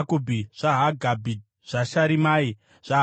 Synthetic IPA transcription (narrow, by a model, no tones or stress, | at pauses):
kubʱiʐ̥aɦaɡʱabʱi | ʐ̥aʃaɾimai | ʐ̥a